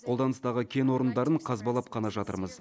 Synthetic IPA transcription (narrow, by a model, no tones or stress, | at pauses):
qʰo̞lˠd̪ɑnəst̪ɑʁəkʲʰe̞nwo̞ɾənd̪ɑɾəɴqʰɑzbɑlˠɑpqʰɑnɑʒɑt̪ə̰ɾməz